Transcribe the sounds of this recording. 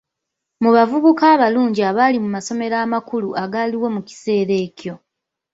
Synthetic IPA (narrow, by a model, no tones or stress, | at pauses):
muβavuβukaːβaluːɲɟiaβalimumaso̞me̞ɾaːmakuluʔaɡaːliwo̞muci̥se̞ːɾe̞ːcjo̞